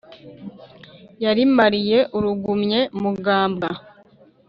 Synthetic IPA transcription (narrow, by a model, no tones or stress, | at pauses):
jaɾimaɾije̞ʔuɾuɡumɲe̞muɡaːmbɡa